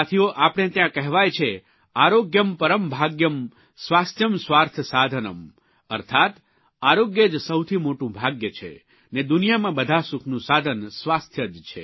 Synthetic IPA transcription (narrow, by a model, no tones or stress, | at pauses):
t̪ʰioʔapəɽɳ̃et̪jãkɛɦʋajt͡ʃʰe | aɾoɡjəmpəɾəmbʱaɡjəm | sʋast̪ʰjəmsʋaɾt̪ʰsad̪ʱənəm | əɾt̪ʰat̪ | aɾoɡjed͡ʒsəwt̪ʰimoʈũbʱaɡjət͡ʃʰḛ | ned̪unijamãbəd̪ʱasukʰnũsad̪ʱənsʋast̪ʰjəd͡ʒt͡ʃʰḛ